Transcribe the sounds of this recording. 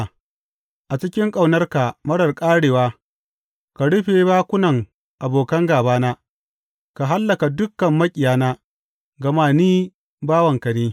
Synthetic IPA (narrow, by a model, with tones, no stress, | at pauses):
ʔa˨t͡ʃɪ˦kʲɪ˦ŋkʼa˨wnɐ˦rka˨mɐ˦ɽɐ˨rkʼaː˦ɽeː˨waː˦ | ka˨ɽʊ˦ɸe˨baː˦kʷʊ˦nɐ˨ŋ | ʔa˨boː˨kɐ˦ŋɡaː˨baː˦naː˦ | ka˨ɦa˦lːɐ˨ka˨dʊ˦kːɐ˨mːɐ˦kʲʼɪ˨jaː˨˦naː˦ | ɡɐ˨maː˦niː˦ | baː˦wɐ˨ŋkɐ˨neː˦